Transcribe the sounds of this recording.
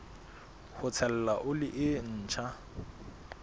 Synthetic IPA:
hʊt͡sʰɛlɛlaʔʊlɪʔɪn̩ːt͡ʃʰa

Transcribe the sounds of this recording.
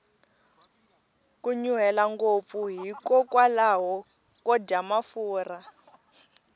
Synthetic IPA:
kuɲuɦɛlaŋɡop̪fuɦikɔkwalaɦɔ | kɔdamafuːra

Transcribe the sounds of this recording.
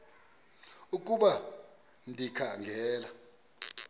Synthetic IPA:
uk̬ʼuɓa | ndʱikʰaŋɡʱɛːla

